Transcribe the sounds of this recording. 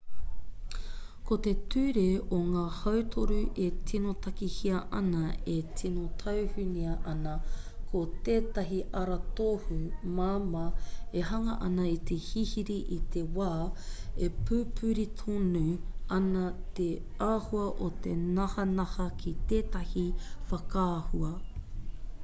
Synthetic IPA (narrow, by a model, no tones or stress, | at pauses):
kot̪e̞tʉːɾeoŋaːhɐwt̪ʰoɾuʔetʰinot̪ɐkihiɐʔɐnɐetʰinotʰɐwhʉniɐʔɐnɐkʰot̪eːt̪ɐɦiʔɐɾɐt̪ohumaːmɐeɦɐŋɐʔɐ̰nɐit̪ʰe̞hihiɾiʔit̪ʰe̞waːepʰʉːpʰʉɾitʰonuɐnɐt̪eaːhuɐʔot̪e̞nɐhɐnɐhɐkʰit̪eːtɐhifɐkʰaːhuɐ